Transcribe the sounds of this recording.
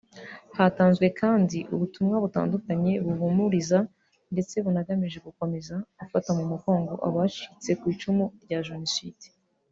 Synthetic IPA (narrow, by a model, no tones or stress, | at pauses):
hataːnzɡwe̞kʰaːndiʔuβutumŋaβuta̰ːndukaɲe̞βuvumuɾiza | nde̞t͡se̞βunaɡamiʒe̞ɡuko̞me̞zaɡufatamumuko̞ːŋɡo̞ʔa̰βat͡ʃiit͡se̞kwiːt͡ʃumuɾɟaʒunosidi̥